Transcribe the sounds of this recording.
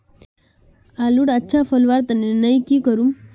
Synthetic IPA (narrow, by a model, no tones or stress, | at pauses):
aluːɽətːɕʰafəlʋaɾt̪əninəjkiːkəɾum